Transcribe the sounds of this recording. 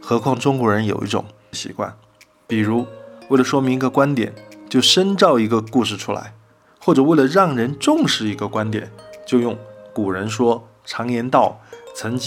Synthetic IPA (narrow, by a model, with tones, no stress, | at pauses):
xɤ˧˥kʰwɑ˥˩ŋʈ͡ʂʊ˥ŋkwɔ˧˥ɻə˧˥njo˨˩ʊʔḭ˥ʈ͡ʂʊ̰˨˩ŋ | ɕḭ˧˥kwa̰˥˩n | pi˨˩ɻu˧˥we˥˩ɪlə˩ʂwɔ˥mi˧ŋ˧˥ɡə˧kwa˥nt̪jɛ̰˨˩nt͡ɕjo˥˩ʊʂə˥nʈ͡ʂɑ˥˩ʊi˧˥ɡə˧ku˥˧ʂ̬ɻ̩˥˩ʈ͡ʂʰu˥la̰˧˥ɪ | xwɔ˥˩ʈ͡ʂɤ˨˩we˥˩ɪlə˩ɻɑ˥˩ŋɻə˧˥nʈ͡ʂʊ˥˧ŋʂɻ̩˥˩i˧˥ɡə˧kwa˥nt̪jɛ̰˨˩nt͡ɕjo˥˧ʊjʊ˥˩ŋku˨˩ɻə˧˥nʂ̬wɔ˥ | ʈ͡ʂʰɑ˧˥ŋjɛ˧˥nt̪ɑ˥˩ʊt͡sʰɤ˧˥ŋt͡ɕ